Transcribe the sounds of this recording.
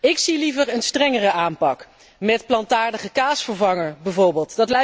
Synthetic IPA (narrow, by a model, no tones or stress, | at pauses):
ɪksilivəɹənstrɛŋərəaːmpɑk | mɛtplɑntaːɹdəχəkaːsfəɹvɑŋəɹbɛvoːɹbɪːlˠtdɑtlɛ